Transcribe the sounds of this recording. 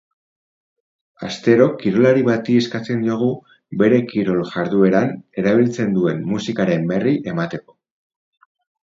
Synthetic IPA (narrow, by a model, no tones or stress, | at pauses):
ast̪e̞ɾo̞kiɾo̞laɾiβat̪ie̞skat͡se̞nd̪oɣ̞u | be̞ɾe̞kiɾolʝaɾðue̞ɾane̞ɾaβ̞ilt͡se̞nd̪ue̞mːusikaɾe̞mbe̞riʔe̞mat̪e̞ko̞̥